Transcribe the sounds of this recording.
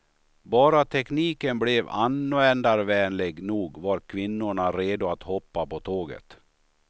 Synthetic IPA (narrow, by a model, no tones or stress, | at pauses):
bɑːɾat̪ʰɛkniːkənblɛva̰nːʊɛnd̪aɾvɛːnlɪɡnuːɡvaɾkʰvɪnːʊɳaɾeːd̪ʊat̪hɔpːapɔt̪ʰoːɡə̰t̪